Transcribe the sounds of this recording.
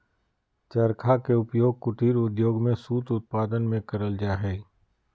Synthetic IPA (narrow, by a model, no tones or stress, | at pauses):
t͡ʃɐɾkʰakeʊpjoːɡ̚kʊʈiːɾʊd̪joːɡmẽsuːt̪ʊt̪̚paːd̪ənmẽkɐɾəld͡ʒaːɦɛː